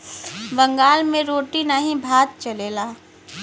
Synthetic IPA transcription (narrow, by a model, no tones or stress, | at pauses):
bɐ̃ŋɡaːlmẽɾoːʈinaɦĩbʱaːt̪̚t͡ʃɐleːlaː